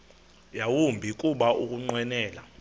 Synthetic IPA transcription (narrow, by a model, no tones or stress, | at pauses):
jawumbʱikʼuɓaʔuk̬ʼuŋ͡ǀwɛnɛːla